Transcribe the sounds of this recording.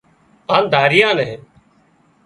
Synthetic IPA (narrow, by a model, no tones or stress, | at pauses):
ãːnd̪ʱaːɾɪjãːnɛ̃ː